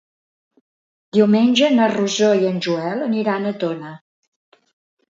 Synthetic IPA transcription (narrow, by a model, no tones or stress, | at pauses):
d̪iwmenʲd͡ʒənəruzojənʲʒuɛlˠəniɾanət̪onə